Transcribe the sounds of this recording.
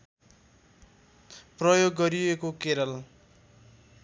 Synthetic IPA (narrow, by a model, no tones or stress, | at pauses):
prʌjoɡːʌɾijekokeɾʌl